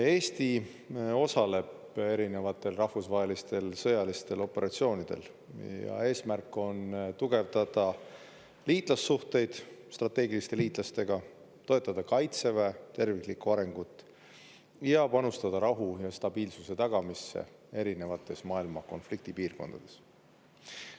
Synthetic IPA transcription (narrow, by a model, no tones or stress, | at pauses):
e̞ːst̪i | o̞sɑle̞b | e̞ɾine̞vɑt̪ːˑe̞lrɑhfusvɑɦe̞list̪e̞lsɤjɑlist̪e̞lo̞pːˑe̞ɾʔɑt̪sio̞ːnid̪̥e̞̰l | jɑ̰e̞ːsmærkːˑo̞nt̪uɡ̥e̞vd̪ɑd̪ɑ | liːt̪ˑlɑsːuht̪e̞jd̪̥st̪rɑt̪ːe̞ːɡilist̪e̞liːt̪ˑlɑst̪e̞ɡ̥ɑ | t̪o̞e̞t̪ːˑɑd̪ɑkɑjt̪se̞vet̪e̞rviklikːuɑɾe̞ŋɡ̥ut̪ːˑ | jɑpɑnust̪ɑd̪ɑɾɑɦujɑst̪ɑb̥iːlsuse̞t̪ɑɡ̥ɑmisːe̞̰e̞ɾine̞vɑt̪ːˑe̞smɑːilmɑko̞̰nflik̚t̪ipiːrko̞̰nd̪̥ɑd̪̥e̞s